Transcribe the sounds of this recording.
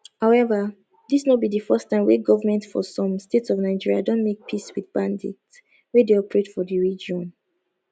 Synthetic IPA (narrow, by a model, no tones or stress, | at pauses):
haʊɛvə | disnobidəfɜstãɪ̃mweɡɔvəmɛ̃ntfɔ̰sɔ̃mstetsɔvnaɪd͡ʒiɹiadõntmek̚pʰiswiðbãndḭk̚t | wedeɔpɹetfɔðəɹid͡ʒɔ̃n